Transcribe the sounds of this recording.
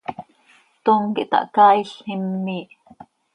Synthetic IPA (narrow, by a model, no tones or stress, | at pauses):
t̪oŋkiʔt̪ɑ̰ʔkɑːiɬimːiːʔ